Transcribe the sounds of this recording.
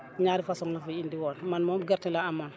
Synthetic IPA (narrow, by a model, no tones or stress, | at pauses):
ɲaːɾifasɔŋlafiindiwɔːnmanmomɡaɾtilaaman